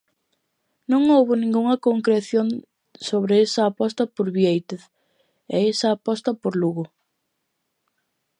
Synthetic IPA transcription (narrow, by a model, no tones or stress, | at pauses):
nõŋowβʊnĩŋɡuŋɐkoŋkɾeθjoŋ | soβɾeesɐːpɔst̪ɐpoɾβjejt̪eθ | ɛesɐːpɔst̪ɐpoɾluɣʊ